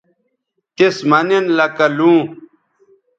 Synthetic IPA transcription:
t̪esmɐnenlɐkɐlũː

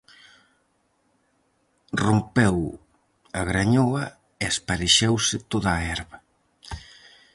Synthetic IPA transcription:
rompɛw | aɣɾaɲowɐ | easpaɾeʃɛwsɪt̪oðaːɛɾβɐ

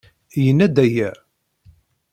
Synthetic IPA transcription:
jənːæd̪æjæ

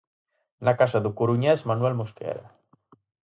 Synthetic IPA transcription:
nakasaðukuɾuɲɛzmanuɛlmoskɛ̰ɾa̰

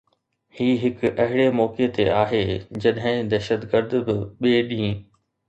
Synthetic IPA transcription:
hiːɦɪkʔɐɦɪɽemɔːket̪eaːɦeːd͡ʑɐɗɦɪ̃d̪ɛːʃət̪ɡəɾd̪bɪɓeːɗĩː

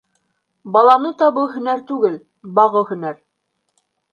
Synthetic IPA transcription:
bɑlˠɑnɤt̪ɑβɤɦɵ̆næɾt̪ʉɡɘl | bɑʁɤhɵ̆næɾ

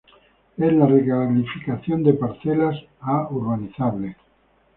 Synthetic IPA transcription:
ezlarekalifikaθjond̪epaɾθelas | auɾβaniθaβle

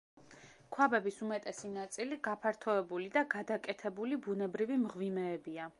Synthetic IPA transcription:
kʰwabɛbisumɛt̪ʼɛsinat̪sʼiliɡapʰaɾt̪ʰɔɛbulid̪aɡad̪akʼɛt̪ʰɛbulibunɛbɾivimʁvimɛːbia

